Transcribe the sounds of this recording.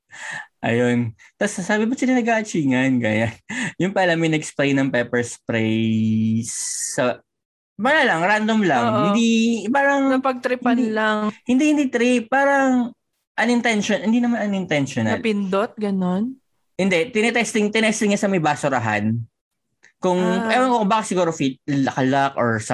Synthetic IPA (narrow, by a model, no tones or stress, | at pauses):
ʔɐ̰jont̪ɐsːaːbɪbɐsɪlɐnɐɡaːʔɐt͡ʃiːŋɐnɡaːjanjʊŋpɐlamɪnɛksplejnːɐŋpɛpɛɹspɾejjsːɐ | paɾalɐŋɾand̪omlɐŋhɪnd̪ipaːɾɐŋnɐpɐɡ̚t̪ɾɪpɐnlaŋhɪnd̪iʔhɪnd̪it̪ɾipaːɾɐŋ | ʔɐnɪnt̪ɛnʃonhɪnd̪inɐmanɐnɪnt̪ɛnʃonɐɐ̰lpɪnd̪ot̪̚ɡɐnon | hɪnd̪ɛt̪ɪnɛt̪ɛst̪ɪŋt̪ɪnɛst̪ɪŋɲɐsɐmɐjbaːsʊɾɐɦa̰n | kʊŋɛwɐnkobaːkɪt̪sɪɡuːɾofit̪̚lɐkɐlak̚ʔɔɹsɐ